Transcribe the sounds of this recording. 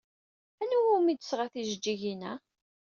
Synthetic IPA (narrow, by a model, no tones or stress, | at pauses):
ænuwumid̪əsʁaθiʒəd͡ʒːiʝinæ